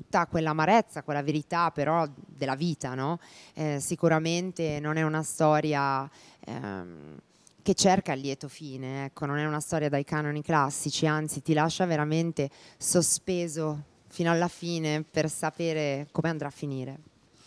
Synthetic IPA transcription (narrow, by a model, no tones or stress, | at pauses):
t̪ut̪ːakwelːaːmaɾɛt̪sːakwelːaveɾit̪apːeɾʔɔd̪elːaviːt̪anɔɛsikuɾament̪enonɛunast̪ɔːɾja̰ | k̟et͡ʃːerkailːjɛːt̪ofiːneɛkːononɛunast̪ɔːɾjad̪ajkanoniklasːit͡ʃiant̪sit̪ilaʃːaveɾament̪esospeːzo | fiːnoalːafiːnepersapeːɾekomeand̪ɾafːiniːɾe